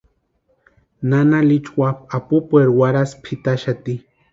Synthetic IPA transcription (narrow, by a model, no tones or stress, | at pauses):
nanalit͡ʃwap̚apupweɾwaɾaspʰit̪aʃat̪i